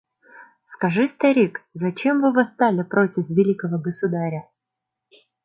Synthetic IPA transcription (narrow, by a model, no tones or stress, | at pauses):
skɐʐɨst̪ɐɾʲikzɐt͡ɕe̞mvɨvɨst̪alʲɪpɾo̞tʲɪfvʲɪlʲikəvəɡəsʊd̪aɾʲə